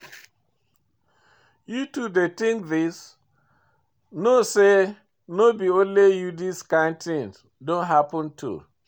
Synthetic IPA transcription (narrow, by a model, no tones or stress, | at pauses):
jutudetĩŋkðis | nose | nobiõnlejudiskãntʰĩn | dõnɦapə̃ntʰṵ